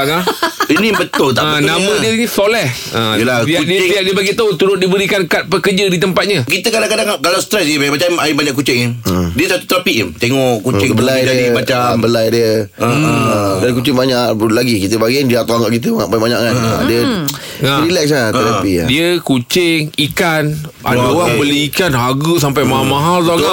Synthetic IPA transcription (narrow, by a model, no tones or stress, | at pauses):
ainibət̪ʊlt̪aʔənamə̃diəinisolɛh | əjəlaiadiəiaʔdiəbaɡit̪aot̪uɾʊt̪̚dibəɾikankat̪̚pəkəd͡ʒədit̪əmpat̪̚ɲəkit̪əkadaŋkadaŋkalawsə̥t̪ɾɛsdiəbamat͡ʃamaibaɲaʔkut͡ʃɪŋadiəsat̪u̥t̪əɾapiʔmt̪eŋɔʔkːut͡ʃɪŋkəbəlajadimaambəlajdiə | ədakut͡ʃɪŋbaɲaʔlaɡikit̪̬əbaɡindiəat̪aaŋkaʔkit̪̬əmaaʔbabaɲa̰ʔkana̰diə | aɾilɛks̬lat̪əɾapḭdiəkut͡ʃɪŋikan | ʔa̰daoɣaŋbəliikanɦaɡus̬ampajmaɦamãɦalsaɡa